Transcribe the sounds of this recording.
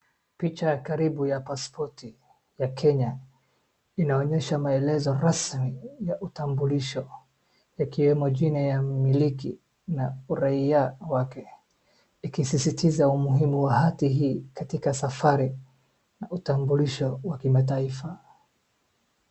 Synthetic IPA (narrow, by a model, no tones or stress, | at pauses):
pit͡ʃajakaɾiɓujapaspʰɔti | jakʰɛɲa | inaɔɲɛʃamaɛlɛzɔɾasmijaʔutambuliʃɔ | akiwɛmɔʄinajamiliki | nauɾaiawakɛ | ikisisitʰizaumuɦimuwaɦatiɦiːkatikasafaɾi | nautambuliʃɔwakimataifa